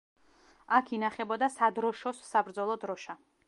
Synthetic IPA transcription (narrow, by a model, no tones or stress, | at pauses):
akʰinaχɛbɔd̪asad̪ɾɔʃɔsːabɾd̪zɔlˠɔd̪ɾɔʃa